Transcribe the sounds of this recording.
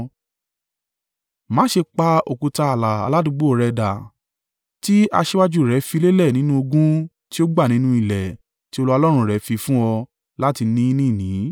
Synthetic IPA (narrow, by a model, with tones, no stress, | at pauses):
mã˨˦ʃe˧k͡pa˧o˨ku˨˧ta˧a˨la˨a̰˨˧la˦dũ˧ɡ͡bo˦˨ɾɛ˧da˨ | ti˦a̰˧ʃe˦wa˦d͡ʒu˦˨ɾɛ˨˦fi˧˦le˦lɛ˦˨nĩ˨˦nũ˦o˧ɡũ˦ | ti˦o˦ɡ͡ba˦˨nĩ˨˦nũ˦i˨lɛ˨ | ti˦o˧lu˦ɔ˧lɔ˦ɾ̃ũ˧ɾɛ˨˦fi˧fũ˦ɔ˧ | la˦ti˧nĩ˦nĩ˦˨nĩ˨˦